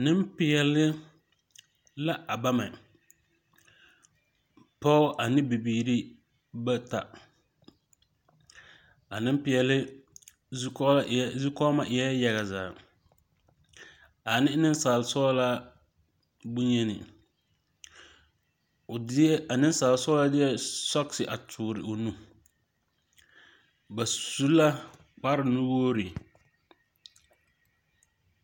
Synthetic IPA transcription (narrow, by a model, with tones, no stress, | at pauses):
nɪ˦m˦pɪ˦ɛ˨lɪ˦ | la˦ʔa˨ba˦ma˨ | pɔ˦ʔa˨nɪ˦bi˨biː˨ɾi˦ | ba˦ta̰˨ | a˨nɪ˦m˦pɪ˨jɛ˨lɪ˦ | zkɔ˦zu˦kɔ˦ma˦ʔɪ˨jɛ˦ja˨ɣa˨za̰ː˨ | a˨nɪ˦nɪ˦nsaː˨lsɔ˦la˦ | bu˦ɲɛ˦nɪ̰˨˦ | a˨nɪ˦n˦saː˨lsɔ˦la˦dɪ˦ɛ˦sɔ˦ksɪ˨ʔa˨tʰuː˨ɾɪ˨ʔo˨nu˦ | ba˨su˦la˦ | k͡pa˦ɾɪ˨nu˦woː˦ɾi˨